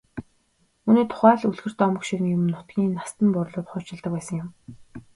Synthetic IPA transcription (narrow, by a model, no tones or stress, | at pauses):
uniːt̪ʰʊ̥χæːɮuɮɣɘ̆r̥t̪ːɔmə̆kʃiɾɘ̆ŋjʊmɘ̆nʊt̪̚ɡʲiːnːast̪ə̆mpʊɾɮʊːt̪χʊːt͡ɕɪ̆ɮt̪ə̆kpæːsə̆ŋjʊm